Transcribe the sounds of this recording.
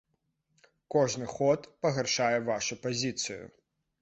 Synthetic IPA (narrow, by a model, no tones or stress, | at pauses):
kɔʐnɨxɔt̪pɐɣarʂajɛvaʂupazʲit̪sɨjʊ̰